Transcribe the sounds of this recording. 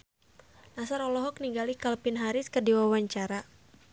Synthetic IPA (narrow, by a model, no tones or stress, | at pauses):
nasaɾɔlɔɦɔk̚niŋɡalikalpinɦaɾɪskɨrdiwawaɲt͡ʃaɾa